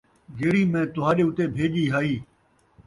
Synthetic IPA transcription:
ɡeːɽiːmẽːt̪ʊɦaːɗeːʊt̪eːbʱeːʄiːɦaːiː

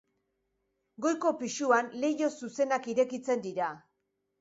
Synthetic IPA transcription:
ɡo̞jko̞piʃuanle̞jo̞suse̞nakiɾe̞kit͡se̞nd̪iɾa

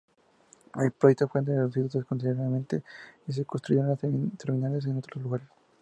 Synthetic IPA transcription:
elpɾojek̚t̪ofwend̪eðeosit̪ut̪oskonsiðeɾaðament̪eis̬ekonst̪ɾuʝeɾat̪eɾminales̬enot̪ɾozluɣaɾes

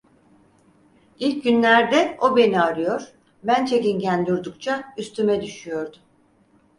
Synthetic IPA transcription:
ilʲc̚ɟynlʲæɾd̪ɛo̞be̞niaɾɯjo̞ɾ̥ | bænt͡ʃʰe̞cinɟænd̪uɾd̪ukt͡ʃʰayst̪ʰymɛd̪yʃyjo̞ɾd̪ʊ

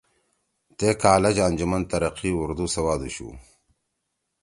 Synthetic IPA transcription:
t̪ekaːlɐd͡ʑaːnd͡ʑumɐnt̪ɐɾɐqiʊɾd̪usɐwaːd̪uɕṵː

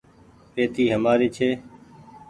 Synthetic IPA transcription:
peːt̪iːɦəmaːɾiːt͡ʃʰeː

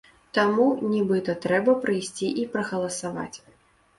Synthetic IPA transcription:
t̪amunʲibɨt̪ɐt̪ɾɛbɐpɾɨjsʲt͡sʲiʔipɾɐɣɐlˠɐsava̰t͡sʲ

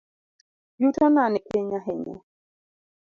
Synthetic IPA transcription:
butɔnanɪʔeɲaɦɛɲa̰

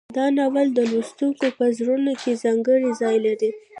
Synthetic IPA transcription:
d̪ɑnawald̪əlust̪uŋkopəzɾunokezɑŋɡəɽizɑjlaɾi

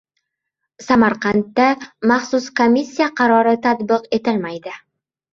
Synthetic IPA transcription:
samaɾqɑnt̪ːamaχsʊskomisʲːijaqʰɑɾɒɾɪt̪ʰat̪bɪqe̞t̪ɪlmajd̪ɪ

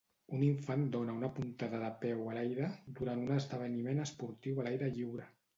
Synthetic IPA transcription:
uniɱfand̪onəunəpunt̪aðəðəpɛwəlajɾəd̪uɾant̪unəzðəβ̞ənimenəspuɾt̪iwəlajɾəʎiwɾə

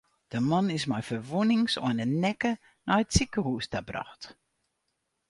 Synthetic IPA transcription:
d̥əmɔnɪsmajfərʋunɪŋsɔ̰ənənɛkə | najətsikəhuəstabra̰xt

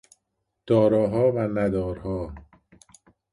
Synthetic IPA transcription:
d̪̥ɒːɾɒːɦɒːvænæd̪ɒːɾhɒː

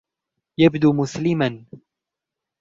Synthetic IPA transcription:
jabd̪uːmʊslɪman

